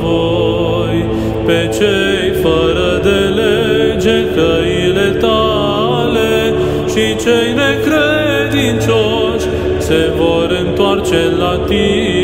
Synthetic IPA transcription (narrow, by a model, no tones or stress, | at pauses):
vo | j | pe̞t͡ʃe | jfəɾəd̪eled͡ʒe̞kə | ile̞t̪a | le̞ | ʃit͡ʃejne̞kɾe | d̪int͡ʃo | ʃ | se̞vo̞ɾɨnt̪oart͡ʃelat̪i